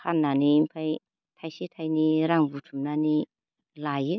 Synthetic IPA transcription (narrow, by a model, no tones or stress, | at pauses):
hannanimpʰaj | t̪ʰajsit̪ʰajniɾamvuʈ͡ʂumnani | lai